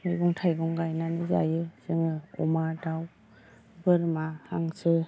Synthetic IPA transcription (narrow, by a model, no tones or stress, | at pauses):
mɯjɡɔŋtʰajɡɔŋɡajnanɯza̰jɯz̥ɯŋɯɔ̰madaw | bɯɾmaha̰ŋsɯ